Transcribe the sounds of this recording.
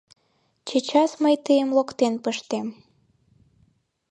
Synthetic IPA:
t͡ɕət͡ɕɑsməjt̪əjəmlokt̪enpəʃt̪em

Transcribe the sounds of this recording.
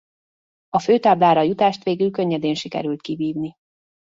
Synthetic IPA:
ɒføːt̪aːblaːɾɒjut̪aːʃt̪ʋeːɡylkøɲːɛd̪eːnʃikɛ̰ɾylt̪̚kibiːvni

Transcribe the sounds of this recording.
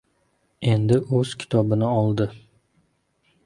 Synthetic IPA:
e̞nd̪ɪʔɵz̥kʲʰɪ̥t̪ʰɒbɪnɪɒlˠd̪ɪ

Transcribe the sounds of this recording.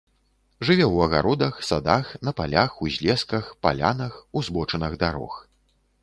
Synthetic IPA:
ʐɨvʲɛwɐɣa̰ɾɔd̪ɐxsad̪axnɐpalʲaxuzʲlʲɛskɐxpa̰lʲa̰nɐxuzbɔt͡ʂɐnɐɣd̪aɾɔ̰x

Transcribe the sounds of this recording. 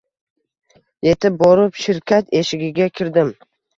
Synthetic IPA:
je̞t̪ʰɪp̚bɒɾɪpʃɪɾkʲʰat̪e̞ʃɪɡʲɪɡʲakʲʰɪɾd̪ɪm

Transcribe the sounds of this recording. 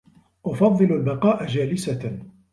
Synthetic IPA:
ʔʊfɑðˤːɨlalbɑqɑːʔad͡ʒaːlɪsa

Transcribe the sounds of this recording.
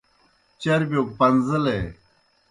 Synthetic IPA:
t͡ɕɐɾbʲok̚pɐnzəle

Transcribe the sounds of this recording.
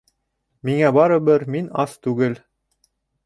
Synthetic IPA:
miŋæbɑɾɤ̆bɘɾminɑst̪ʉɡɘl

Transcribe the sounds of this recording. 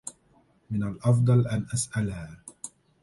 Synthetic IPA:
mɪnalʔɑfd̪ˤɑlʔanʔasʔalhaː

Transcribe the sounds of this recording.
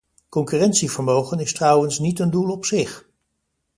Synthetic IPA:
kɔŋkyːrɛntsivəɹmowχənɪstrʌwənsnitəndulˠɔpsɪχ

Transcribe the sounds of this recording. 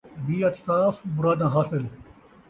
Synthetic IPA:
biːɐt̪saːfbʊɾaːd̪ãːɦaːsɪl

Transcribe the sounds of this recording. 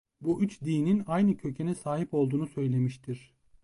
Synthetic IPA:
buʔyt͡ʃd̪iːninajnɯcʰø̞cʰenɛsaːɦipo̞lˠd̪uːnusø̞jlʲe̞miʃt̪ʰiɾ̥

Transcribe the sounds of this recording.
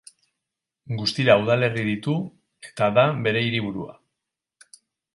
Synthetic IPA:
ɡust̪iɾauðale̞riðit̪u | e̞̥t̪aðabe̞ɾe̞iɾiβ̞uɾua̰

